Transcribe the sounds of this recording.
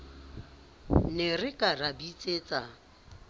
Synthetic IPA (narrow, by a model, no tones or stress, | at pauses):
nɪrɪkʼarabit͡sʼeːt͡sʼa